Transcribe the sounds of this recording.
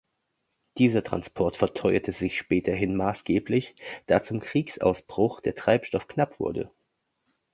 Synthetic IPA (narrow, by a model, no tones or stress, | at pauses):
d̥iːzɐtʁ̥a̰nspʰɔɐtfɛɐtʰɔʏɐtʰəzɪçʃpɛːtʰɐɦɪnmaːsɡ̥eːplɪçd̥aːt͡sʊmkʁ̥iːksʔa̰ʊsb̥ʁ̥ʊxd̥eːɐtʁ̥aɪpʃtɔfknapv̥ʊ̰ɐdə̰